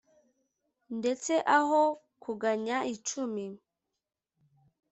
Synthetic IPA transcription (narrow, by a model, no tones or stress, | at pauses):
nde̞t͡se̞ʔaɦo | kuɡaɲait͡ʃumi